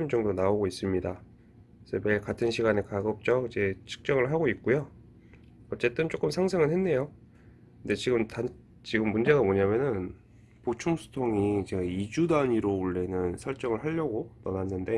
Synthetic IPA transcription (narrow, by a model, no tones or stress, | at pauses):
imd͡ʑʌŋdonaoɡois͈ɯmɲida | sʰʌmekatʰɯnɕʰiɡanekaɡʌp̚t͡ɕ͈ʌkid͡ʑe̞t͡ɕʰɯ̥k̚t͡ɕ͈ʌŋɯɭɦaɡoit̚k͈ojo | ʌt͡ɕ͈e̞t͈ɯnt͡ɕ͈ok͈ɯmsʰaŋsʰeŋɯɭhe̞nːe̞jo | kkɯnde̞t͡ɕiɡɯmtan | t͡ɕiɡɯmːund͡ʑe̞ɡamoɲamjʌnɯn | pot͡ɕʰuŋsʰu̥tʰoŋid͡ʑeɡid͡ʑudaɲiɾouɭːe̞nɯnsʰʌɭt͡ɕ͈ʌŋɯɭɦaʎːʌɡonʌnanːɯnde̞